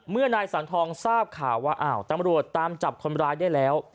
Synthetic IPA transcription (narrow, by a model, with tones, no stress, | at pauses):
mɯ˥˩ənaː˧jsaː˩˦nt̪ʰɔː˧ŋsaː˥˩p̚kʰaː˨˩wːaː˧ʔaː˧˩wt̪a˧mɾu˨˩ət̪ːaː˧mt͡ɕa˨˩p̚kʰo˧nɾaː˧jda˥˩jlɛː˦˥w